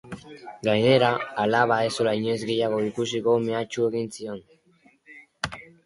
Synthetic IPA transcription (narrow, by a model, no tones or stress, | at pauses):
ɡajne̞ɾaalaβ̞ae̞solaiɲe̞zɣe̞jaɣ̞o̞ikus̬iko̞me̞at͡ʃue̞ɣinsio̞n